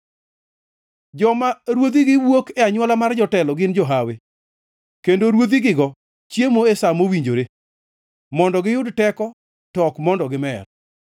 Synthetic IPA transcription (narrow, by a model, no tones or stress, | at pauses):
d͡ʒɔmaɾwod̪iɡɪwokɛaɲwɔlamard͡ʒɔtɛlɔɡɪnd͡ʒɔɦawe | kendoɾwod̪iɡɪɡɔ | t͡ʃjemoesamowiɲd͡ʒoɾe | mɔndɔɡɪjʊdtɛkɔ | tɔkmɔndɔɡɪmɛr